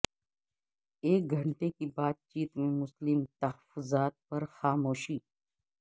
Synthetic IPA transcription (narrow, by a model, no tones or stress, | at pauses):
eːk̚ɡʱɐɳʈekibaːt̪̚t͡ʃiːt̪mẽmʊslɪmt̪ɐhəfʊzaːt̪̚pɐɾxaːmoːʃiː